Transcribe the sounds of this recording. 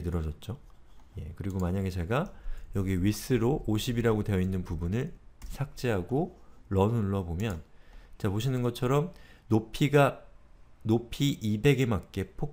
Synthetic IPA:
nɯɾʌd͡ʑʌt̚t͡ɕ͈o | je̞kɯɾiɡomaɲaɡe̞t͡ɕe̞ɡajʌɡieɥis͈ɯɾoʔːɕʰibiɾaɡotwe̞jʌinːɯnpubunɯɭsʰak̚t͡ɕ͈eɦaɡoɾʌnuɭːʌbomjʌnt͡ɕapoɕ̬ʰinɯnɡʌt͡ɕʰʌɾʌmnopʰiɡa | nopʰiʔibe̞ɡe̞mak̚k͈e̞pʰo

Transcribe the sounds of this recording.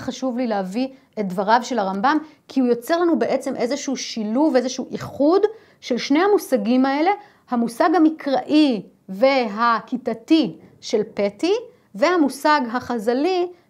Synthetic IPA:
χaʃuvlileavi | e̞t̚d̪vaʁavʃe̞laʁambam | kʰiujo̞t͡se̞ʁlanubeʔe̞t͡se̞mʔe̞zeʃuuʃiluvezeʃuuʔiχud | ʃe̞lʃnehamusaɡimae̞le̞ | hamusaɡhamikʰʁaʔi | veɦakitatiʃe̞lpe̞ti | ve̞hamusaɡɦaχazali

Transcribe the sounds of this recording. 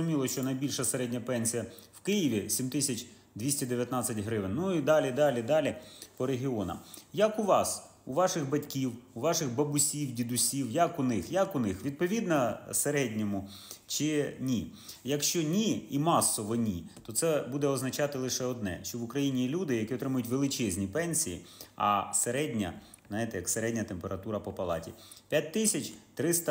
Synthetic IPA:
ʊmʲilˠɔʃt͡ʃɔnɐjbʲilʲʃɐseɾɛdʲnʲɐpɛnʲsʲijɐwkɪjɪʋʲisʲimt̪ɪsʲɐt͡ʃʲ | d̪ʲʋʲisʲtʲid̪eʋʲjɐt̪nɑt͡sʲːɐtʲɦɾɪʋɪnʲnuid̪ɑlʲid̪ɑlʲid̪ɑlʲɪpɔɾeɦʲiɔnɐ̰jɐkuʋɑs | uʋɑʃɪɣbɐtʲkʲiwuʋɑʃɪɣbɐbʊsʲiwdʲid̪ʊsʲiwjɐkʊnɪxjɐkʊnɪxʋʲid̪̚pɔʋʲid̪nɐseɾɛdʲnʲɔmʊ | t͡ʃɪnʲijɐkʃt͡ʃɔnʲiimɑsːɔʋɔnʲit̪ɔt̪sɛbud̪ɛɔznɐt͡ʃɑt̪ɪlˠɪʃɛɔd̪nɛ̰ʃt͡ʃɔʋʊkɾɐjinʲilʲud̪ɪjɐkʲiɔt̪ɾɪmʊjʊtʲʋelˠɪt͡ʃɛzʲnʲipɛnʲsʲijḭɐ̰seɾɛdʲnʲɐ̰ | najt̪ɛjɐkseɾɛdʲnʲɐt̪empeɾɐt̪uɾɐpɔpɐlˠɑ̰tʲḭpʲjat̚ʲt̪ɪsʲɐt͡ʃʲt̪ɾɪst̪ɐ

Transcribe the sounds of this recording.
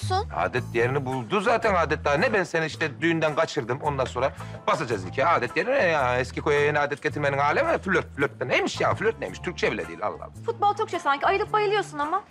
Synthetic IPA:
suna̰ːd̪ɛt̪̚ːjeɾinibulˠd̪uzaːt̪ʰænaːd̪ɛt̪̚d̪aːnɛbɛnseniiʃt̪ɛd̪yjynd̪ænɡat͡ʃʰɯɾd̪ɯmo̞nd̪anso̞ːɾabasad͡ʒazicʰaːaːd̪ɛt̪̚jeɾinaɛscikʰojajinaːd̪ɛt̪̚ɟe̞t̪ʰiɾmeninhaːlʲemiɛfylʲøt̪̚fylʲøt̪̚bɛnemiʃjafylʲøt̪̚nemiʃt̪ʰyɾc̚t͡ʃʰɛbilʲɛ̰d̪ḭːilʲa̰lˠːa̰h̪ˠfut̪̚balˠt͡ʃʰokt͡ʃejsaɲcʰiajɯɾˠɯp̚bajɯlˠɯjo̞ɾsunama

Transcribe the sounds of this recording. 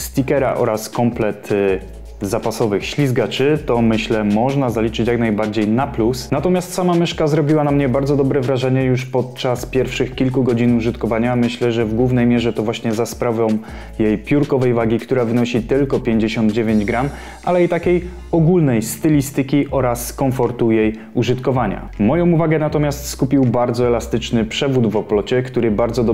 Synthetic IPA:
st̪ʲikɛɾa̰ʔɔ̰ɾaskɔmplɛt̪ | zapasɔvɘxɕlʲizɡat͡ʂɘt̪ɔmɘɕlɛmɔʐnazalʲit͡ʂɘt͡ɕjaknajbaɾd͡ʑejnaplusnat̪ɔmʲjast̪samamɘʂkazɾɔbʲiwanamɲɛbaɾd̪zɔd̪ɔbɾɛvɾaʐɛɲɛjuʂpɔt̪̚t͡ʂaspʲjɛɾfʂɘxkʲilkuɡɔd͡ʑinuʐɘt̪kɔvaɲamɘɕlɛʐɛvɡwuvnɛjmʲjɛʐɛt̪ɔvwaɕɲɛzaspɾavɔ̃w̃ | jejpʲjuɾkɔvɛjvaɡʲikt̪uɾavɘnɔɕit̪ɘlkɔpʲjeɲd͡ʑeɕɔnd̪d͡ʑevʲeɲd͡ʑɡɾam | alɛit̪akʲej | ɔɡulnɛjst̪ɘlʲist̪ɘkʲiʔɔɾasːkɔɱfɔɾt̪ujej | uʐɘt̪kɔvaɲa̰mɔjɔ̃w̃uvaɡɛnat̪ɔmʲjast̪skupʲiwbaɾd̪zɔɛlast̪ɘt͡ʂnɘpʂɛvud̪vɔplɔt͡ɕɛkt̪uɾɘbaɾd̪zɔd̪ɔ

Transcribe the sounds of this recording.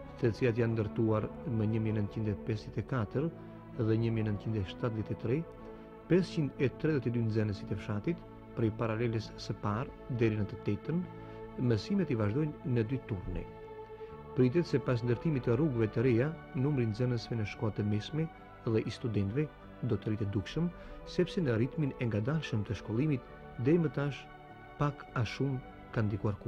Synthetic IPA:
t̪ɛt͡siat̪jand̪əɾt̪uaɾməɲəmiɛnənt̪t͡ɕind̪ɛpɛsðjɛt̪ɛkat̪əɾ | ðɛɲəmiɛnənt̪t͡ʃind̪ɛʃt̪at̪ðjɛt̪ɛt̪ɾɛ | pɛst͡ɕind̪ɛt̪ɾɛðjɛt̪ɛd̪ynzɛnəsi̥t̪ɛfʃat̪it̪ | pɾɛjpaɾalɛləssəpaɾ | d̪ɛɾinət̪ət̪ɛt̪ən | mɛsimɛt̪ivaʒd̪ɔjnːəd̪yt̪uɾnḭ | pɾit̪̬ɛt̪sɛpas̬nd̪əɾt̪imit̪əruɡvɛt̪əɾɛjanumɾinzɛnəsvɛnəʃkɔat̪əmɛsmɛ | ɛðɛʔist̪ud̪ɛnt̪vɛ | d̪ɔt̪əɾit̪ɛd̪ukʃəmsɛpsɛnəɾit̪minɛŋɡad̪aʃəmt̪əʃkɔlˠimit̪ | d̪ɛɾimət̪aʃ | pakaʃum | kand̪ikuaɾku

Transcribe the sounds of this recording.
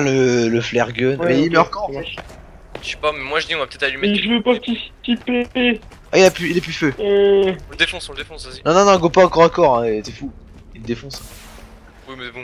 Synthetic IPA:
lələflɛʁɡœnɛimɛɔʁkɔ̃ | ʃy̥pamɛmwaʒəd̪iɔ̃vapət̪ɛt̪alymeʒəvəpaʁt̪isipe | ailapyilɛpyføeɔ̃ld̪efɔ̃sɔ̃ləd̪efɔ̃sazinɔ̃nɔ̃nɔ̃ɡopaãkɔʁãkɔʁɛ̃et̪ɛfu | ild̪efɔ̃s | wimɛbɔ̃

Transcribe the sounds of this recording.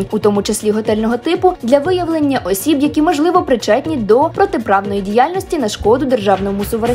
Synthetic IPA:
nʲut̪ɔmut͡ʃesʲlʲiɦɔt̪ɛlʲnɔɦɔt̪ɪpʊd̪lʲɐʋɪjɐʋlˠenʲːɐʔɔsʲibjɐkʲimɔʒlˠɪʋɔpɾɪt͡ʃɛt̪ʲnʲid̪ɔpɾɔt̪epɾɑwnɔjidʲijɑlʲnɔsʲtʲinɐʃkɔd̪ʊd̪erʒɑwnɔmʊsʊʋɾe

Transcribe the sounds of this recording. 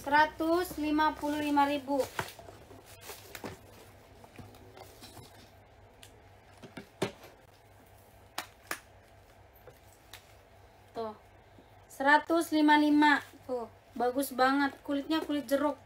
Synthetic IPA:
səɾat̪uslimapululimaɾibu | t̪ɔh | səɾat̪uslimalimat̪ɔh | baɡusbaŋət̪̚kulɪt̪̚ɲakulɪt̪̚d͡ʒəɾʊk̚

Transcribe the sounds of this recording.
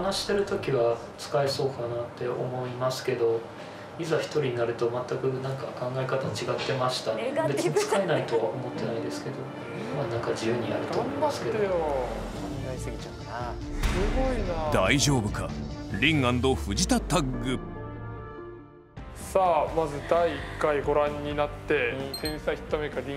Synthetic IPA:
anaɕi̥t̪e̞ɾɯ̟t̪o̞kʲiβa | t͡sɨ̥kae̞so̞ːkanat̪ːe̞o̞̰mo̞imasɨ̥ke̞d̪o̞ | izaçi̥t̪o̞ɾʲiɲ̟inaɾɯ̟t̪o̞mat̪ːakɯ̟nãŋkakãŋɡae̞kat̪at͡ɕiɡat̪ːe̞maɕi̥t̪abe̞t͡sɨɲit͡sɨ̥kae̞nait̪o̞βa̰ʔo̞mo̞t̪ːe̞naid̪e̞sɨ̥ke̞d̪o̞ | manãŋkad͡ʑijɯ̟ːɲ̟iaɾɯ̟t̪oːsɨke | oneɡaisɨɡʲit͡ɕã | a | sɨɡoinad̪aiʑo̞ːbɯ̟kaɾʲĩŋãnd̪o̞ɸɯ̟d͡ʑit̪at̪aɡɡɯ | saːmazɨd̪aiːkːaiɡo̞ɾãɲ̟ːinat̪ːe̞t̪ʰẽɰ̃saçʲi̥t̪ːamekaɾʲĩ

